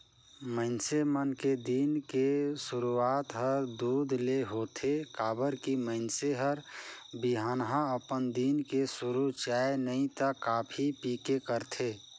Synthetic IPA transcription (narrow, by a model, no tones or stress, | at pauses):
məɪnsemənked̪iːnkesʊɾuaːt̪ɦəɾd̪uːd̪ʱleɦoːt̪ʰekaːbəɾkiməɪnseɦəɾbiɦaːnɦãəpənd̪iːnkesʊɾut͡ʃaːenəĩt̪əkaːpʰipiːkekəɾt̪ʰeː